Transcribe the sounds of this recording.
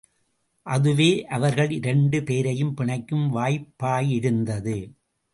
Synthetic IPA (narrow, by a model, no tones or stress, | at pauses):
ʔɐðɯʋeːʔɐʋɐɾɣɐɭɪɾɛɳɖɯpeːɾɐjɯmpɪɳɐɪkːɯmʋaːjpːaːjɪɽɯnd̪ɐðɯ